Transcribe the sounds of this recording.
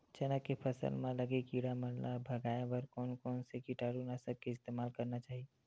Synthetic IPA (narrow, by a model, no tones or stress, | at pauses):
d͡ʒənəkːepʰəsə̰lmẽləɡekiɽaməllabʱəɡaebəɾkɔːnkɔːnsekiʈaɽunasəb̚keɪst̪emalkəɾnat͡ʃaɦi